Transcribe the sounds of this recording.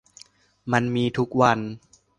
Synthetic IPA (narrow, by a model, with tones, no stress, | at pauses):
ma˧nmiː˧t̪ʰu˦˥k̚wa˧n